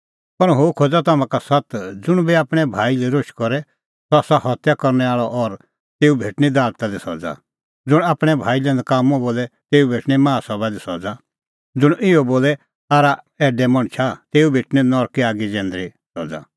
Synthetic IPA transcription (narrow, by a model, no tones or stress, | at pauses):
pɐnɦoːkʰod͡zat̪amãkasɐt̪d͡zʊɽ̃biaːpɽ̃ɛbʱaːiliɾoʃkɔɾɛ | t̪ɔsahɔt̪jakɔɾnɛaːɭɔʔɔɾ | t̪eːubʱeːʈnid̪aːlt̪ad̪isɔ̰d͡za̰ | d͡zʊɽ̃aːpɽ̃ɛbʱaːilɛ̃nd̪kaːmɔ̃boːlɛt̪eːubʱeːʈñimãːsɔbad̪isɔd͡za | d͡zʊɽ̃ɪɔboːlɛ | aːɾa | ɛːɖɛmɔɽ̃t͡ʃʰat̪eːubʱeːʈninɔɾkiaːɡid͡ʒɛ̃ːnd̪ɾi | sɔd͡za̰